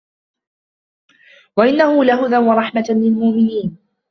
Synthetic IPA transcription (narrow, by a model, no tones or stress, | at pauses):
waʔɪnːahʊlaɦʊðanwɑɾˤɑħmalɪlmʊʔmɪniːn